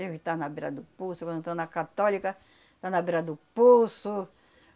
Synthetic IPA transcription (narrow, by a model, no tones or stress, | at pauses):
ewt̪anabiɾa̰d̪ʊpusukɐ̃nd̪t̪onakat̪ɔlikɐ | t̪anabiɾad̪ʊpusu